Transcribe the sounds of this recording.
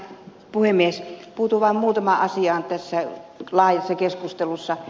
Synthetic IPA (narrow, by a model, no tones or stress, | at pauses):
puhemːˑiespuːt̪uʋɑˑimmuːt̪ɑmɑʔɑsiɑːˑnt̪æsːælɑˑːjɑsːɑkeskust̪elusːɑ